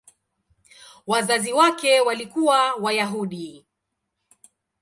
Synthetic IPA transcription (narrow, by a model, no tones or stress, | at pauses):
wazaziwakɛwalikuwawajaɦuɗi